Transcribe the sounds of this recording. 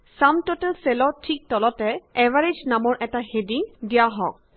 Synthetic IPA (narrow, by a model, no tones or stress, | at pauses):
samtotɛlselɔtʰik̚tɔlɔtɛɛvaɹed͡ʒnamɔɹʔɛtahediŋdijaɦɔk̚